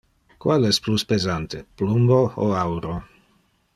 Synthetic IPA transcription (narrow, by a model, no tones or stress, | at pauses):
kwalɛspluspezant̪eplumbooawɾo